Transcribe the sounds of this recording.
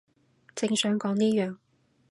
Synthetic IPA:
t͡sɪ˧ŋsœː˨˥ŋkɔː˨˥ŋniː˥jœː˨ŋ

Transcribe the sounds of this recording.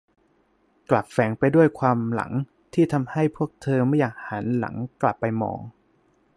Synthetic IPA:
kla˨˩p̚fɛː˩˦ŋpa˧jdu˥˩əjkʰwaː˧mla̰˩˦ŋ | t̪ʰiː˥˩t̪ʰa˧mha˥˩jpʰu˥˩ək̚t̪ʰɤː˧ma˥˩jaː˨˩k̚ha˩˦nla̰˩˦ŋkla˨˩pːa˧jmɔ̰ː˧ŋ

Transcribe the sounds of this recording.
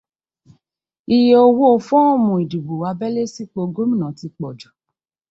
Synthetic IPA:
i˨je˨o˧wo˦o˦˧˨fɔ̃˦o˦˨mũ˨i˨di˨bo˨wa˨˧˦bɛ˦le˦si˦k͡po˧ɡo˦mĩ˦˨nã˨ti˧˦k͡pɔ˨d͡ʒu˨

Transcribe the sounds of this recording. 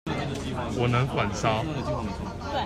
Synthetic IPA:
wɔ˨˩nə˧˥ŋkwa˨˩nsɑ˥ʊ

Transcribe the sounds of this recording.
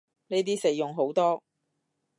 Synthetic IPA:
ne˨˥t̪iː˥se˨˧jːʊ˨˩ŋɦo˨˥wt̪ɔː˥

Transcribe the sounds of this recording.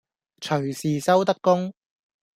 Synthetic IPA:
t͡ʃʰɵ˨˩ɥsiː˨sɐ˥wt̪ɐ˥kːʊ˥ŋ

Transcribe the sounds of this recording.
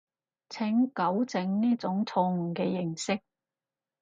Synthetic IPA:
t͡sʰɪ˨˥ŋkɐ˨˥wt͡sɪ˨˥ŋniː˥t͡sʊ˨˥ŋt͡sʰɔː˧ŋ̩˨˩kɛː˧jɪ˨˩ŋsɪ˥k̚

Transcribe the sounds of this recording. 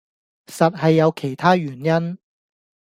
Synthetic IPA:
sɐ˨t̚ɦɐ˨jːɐ˨˧wkʰe˨˩jt̪ʰaː˥ɥyː˨˩njɐ˥n

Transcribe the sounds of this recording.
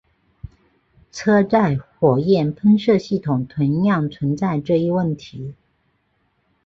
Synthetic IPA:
t͡sʰɤ˥t͡sa˥˩ɪxwɔ˨˩jɛ˥˩npʰə˥ŋʂɤ˥˧ɕi˥˩t̪ʰʊ˨˩ŋt̪ʰwə˧˥njɑ˥˩ŋt͡sʰwə˧˥nt͡sa˥˧ɪʈ͡ʂɤ˥˧i˥˧wə˥˩nt̪ʰi˧˥

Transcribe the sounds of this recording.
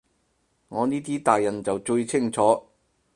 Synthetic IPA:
ŋɔː˨˧niː˥t̪̬iː˥t̪aː˨jːɐ˨˩nt͡sɐ˨wt͡ʃɵ˧ɥt͡sʰɪ˥˩ŋt͡sʰɔː˨˥

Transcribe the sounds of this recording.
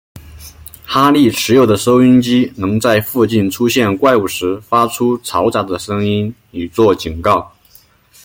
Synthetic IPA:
xa˥li˥˩ʈ͡ʂʰɻ̩˧˥jo˨˩ʊd̪ə˦ʂo˥ʊy˥nt͡ɕi˥nɤ˧˥ŋt͡sa˥˧ɪfu˥˧t͡ɕi˥˩nʈ͡ʂʰu˥ɕjɛ˥˧nkwa˥˩ɪu˨˩ʂɻ̩˧˥fa˥ʈ͡ʂʰu˥t͡sʰɑ˧˥ʊt͡sa˧˥d̪ə˧ʂɤ˥ŋi˥n | y˨˩t͡swɔ˥˩t͡ɕi˨˩nkɑ˥˩ʊ

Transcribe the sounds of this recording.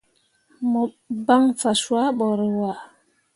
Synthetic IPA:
mɔ˨ | ba˦ŋfa˨swa˦ɓɔ˨ɾe˨wa˨

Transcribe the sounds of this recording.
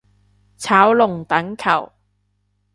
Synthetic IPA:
t͡sʰaː˨˥wlʊ˨ŋt̪ɐ˨˥ŋkʰɐ˨˩w

